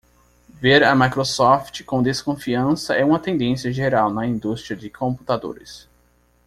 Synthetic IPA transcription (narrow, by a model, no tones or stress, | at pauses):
veɾɐmajkɾosɔft͡ʃɪ̥kõd̪eskõfiɐ̃sɐʔɛũmɐt̪ẽnd̪ẽsiɐʒeɾawnɐĩnd̪ust̪ɾiɐd͡ʒɪkʰõmpu̥t̪ad̪o̰ɾɪ̰s